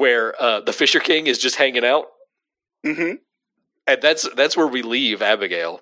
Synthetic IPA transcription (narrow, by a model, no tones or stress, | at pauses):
wə˞ʌðɨfɪʃə˞kʰɪ̃ŋɨzd͡ʒʌst̚hæ̃ŋɪ̃ŋaʊt̚ | m̩m̥m̩ | ɨ̃nðætsðætswə˞wilivæbɨɡeɪlˠ